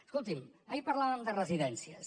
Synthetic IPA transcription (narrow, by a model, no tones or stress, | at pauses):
əskulˠt̪iməipəɾlaβəmd̪ərəziðɛnsiəs